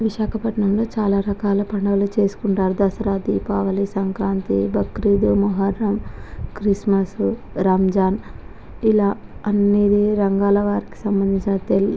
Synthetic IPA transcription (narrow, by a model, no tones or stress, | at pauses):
ʋiʃaːkɐpɐʈɳɐmlo̞ːt͡ʃaːlaːɾɐkaːlɐpɐɳɖɐʋɐlut͡ʃe̞ːsu̥kuɳʈaːɾud̪ɐsɐɾaːd̪ipaːʋɐlisɐŋkɾaːnt̪ḭbʱɐkɾid̪umɐɦɐɾːɐmkɾismɐs | ɾaːmd͡ʒaːn | ilaːɐnːeːd̪iɾɐŋɡaːlɐʋaːɾiki̥sɐmbɐnd̪ʱiɲt͡ʃinɐt̪eli